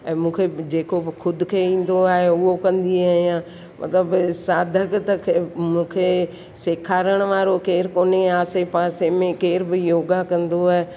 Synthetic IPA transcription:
ɛ̃ːmũːkʰed͡ʒeːkokʰʊd̪ʊkʰeĩːn̆d̪oaːɦeʊɦokɐ̃nd̪iaːɦijãː | mʔɐ̰t̪ləbsaːd̪ʱəkt̪ɐkʰmũːkʰe | sɪkʰaːɾəɽ̃ʋaːɾokeːɾkoːneaːsepãːsemẽkeːɾbɪjoːɡakɐ̃nd̪oaɦe

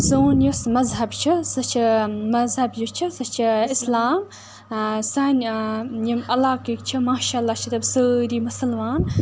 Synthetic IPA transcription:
soːnjusmɐzɦɐbt͡ʃʰisɨt͡ʃʰimɐzɦɐbjut͡ʃʰisɨt͡ʃʰiɪslaːm | sanjimɐlaːkikt͡ʃʰimaːʃaːɐlːaːt͡ʃʰit̪ɐbsəːɾiːmɐsɐlmaːn

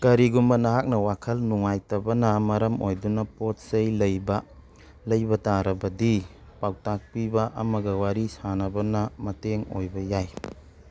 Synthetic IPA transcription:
kɐɾiɡumbɐnɐɦak̚nɐwakʰɐlnuŋajtɐbɐnɐmɐɾɐmojdunɐpot̚sɐjlɐjbɐ | lɐjbɐtaɾɐbɐdi | pawtak̚pibɐʔɐmɐɡɐwaɾisanɐbɐnɐmɐteŋo̰jbɐjaj

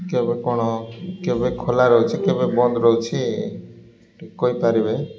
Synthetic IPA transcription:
kebekɔɽ̃ɔkebekʰolaɾɔɦut͡ʃʰikebebɔnd̪ɾɔɦut͡ʃʰi | koipaɾibe

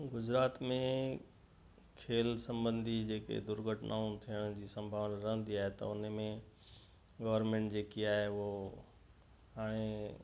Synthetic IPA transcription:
ɡʊd͡ʑɾaːt̪mẽ | kʰeːlsɐ̃mbə̃nd̪ʱid͡ʑeːkḛd̪ʊɾɡʱəʈnʔaːũt̪ʰijəɽ̃d͡ʑiːsɐ̃mbʱaːʋnɾɐɦə̃nd̪iaːɦet̪ɐ̰ʊnmẽ | ɡɐʋəɾmẽːɳʈd͡ʑeːkiaːɦeo | ɦaːɽ̃e

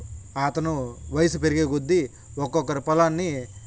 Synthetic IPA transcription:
at̪ɐnuʋɐjɐsupeɾiɡe̞ːɡud̪ːi | ɔkːɔkːɐɾipɐlaːnːi

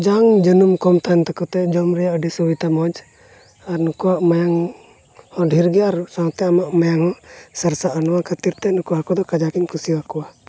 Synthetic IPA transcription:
d͡ʒaŋd͡ʒənumkɔmt̪ant̪akɔt̪ɛd͡ʒɔmɾɛjaʔəɖisubit̪amɔd͡ʒ | aɾnukuwaʔmajaŋ | hɔ̃ɖʱiɾɡɛaɾsawt̪ɛamaʔmajaŋhɔ̃saɾsaʔənɔwakʰət̪iɾt̪ɛnukuɦakɔd̪ɔkad͡ʒakiɲkusiwakuwa

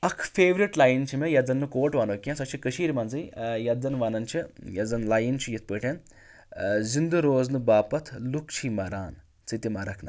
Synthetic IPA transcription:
ɐkʰfʰeːʋɾiʈlaːjint͡ʃʰimejɐd͡zɐnːukoːʈʋaːnoːkʲjãnsɐt͡ʃʰikəʃiːɾmɐːnzɨjjɐd͡zɐnʋanɐnt͡ʃʰijɐd͡zɐnlaːjint͡ʃʰijit̪̚ʰpəːʈʰʲen | zind̪uɾoːznubaːpɐt̪ʰlukt͡ʃʰimɐɾaːn | t͡sɨt̪imɐɾɐkʰna

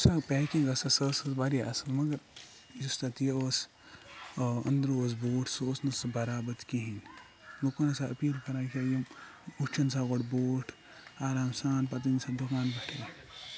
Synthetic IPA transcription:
sɐpɛːkĩŋɡɐsɐsɐsɐsbaɾia̰sɐnmɐɡɐɾ | just̪ɐt̪ijeoːs | ɐ̰nd̪ɾoːs̬boːʈʰsoːsnɐsɨbɐɾaːbɐt̪kiɦĩn | lukunɐsɐʔɐpiːlkɐɾaːkʰʲajim | ut͡ʃʰɐnsaɣoʈboːʈʰ | aːɾaːmsaːnpɐt̪̬insʰɐd̪ukaːnbɐʈʰi

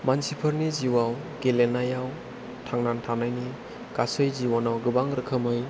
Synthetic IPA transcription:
mansipʰəɾniziwaw | ɡelenajaw | tʰaŋnantʰanajni | kasɯjziwanawɡɯbaŋɾɯkʰəmɯj

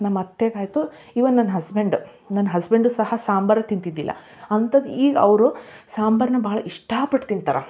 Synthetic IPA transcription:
nɐmːɐt̪ːeːɡaːjt̪u | iʋɐnɐnːɐɦɐsbeɳɖu | nɐnːɐɦɐsbeɳɖusɐhɐsaːmbɐɾɐt̪int̪id̪ːilːʔɐ̰ | ɐnt̪ɐd̪iːɡɐɐʋɾusaːmbɐɾɐnɐbɐɦɐɭɐʔiʂʈaːpɐʈt̪int̪ɐɾɐ̰

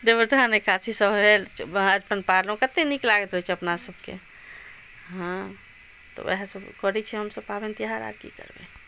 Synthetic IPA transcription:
d̪ebəʈanekʰasisəbʱɦeləɾpənpaɾləũkət̪eniklaɡet̪ɾəɦit͡ʃʰɛəpnasəbkḛ | ɦã | t̪ɔ̰ɛ̰ɦasəbkəɾɛt͡ʃʰɛɦəmsəbpabent̪iɦaɾa̰ɾkḭkə̰ɾbḛ

